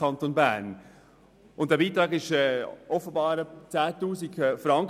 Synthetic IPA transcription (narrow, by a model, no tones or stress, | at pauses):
ɑntonbæn | ʔʊnt̚d̥ɛːɾb̥iːtɾɑːɡɪʃɛʔɔfən̩bɑːɾt͡sæːtuːsɪɡfɾɑŋk